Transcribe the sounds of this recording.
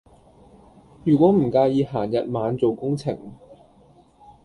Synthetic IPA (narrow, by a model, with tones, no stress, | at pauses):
jyː˨˩kʷɔː˨˥m̩˨˩kaː˧jiː˨˧ɦaː˨˩njɐ˨t̚maː˨˧nt͡so˨wkʊ˥ŋt͡sʰɪ̰˨˩ŋ